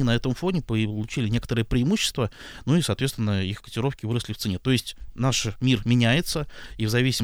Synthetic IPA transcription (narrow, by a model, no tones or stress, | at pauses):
ɪnɐɛt̪əmfo̞nʲɪpəəlˠʊt͡ɕilʲɪnʲe̞kə̥t̪əɾɨjəpɾʲɪːmuɕːɪ̥st̪vənuisɐːt̪vʲet̪ʲɪnːəixkə̥tʲɪɾo̞fkʲɪvɨɾəsʲlʲɪft̪sɨnʲet̪o̞ɪsʲtʲnaʂmʲirmʲɪnʲæjɪt̪səivzɐvʲisʲɪm